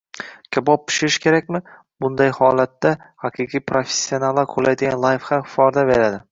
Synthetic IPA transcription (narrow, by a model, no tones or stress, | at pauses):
kʲʰabɒp̚pːɪ̥ʃɪɾɪʃkʲʰe̞ɾakʲmɪ | bʊnd̪ajhɒlat̪ːa | haqʰɨqʰijpʰɾofe̥sːionalːaɾqʰolajd̪ɪɡʲanlˠajfhamfɒɾd̪abe̞ɾad̪ɪ